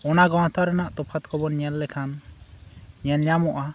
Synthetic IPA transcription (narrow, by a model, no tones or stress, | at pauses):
ɔnaɡɔ̃w̃t̪aɾɛnaʔt̪ɔpʰat̪̚kɔbɔnɲɛlːɛkʰan | ɲɛnɲamɔʔa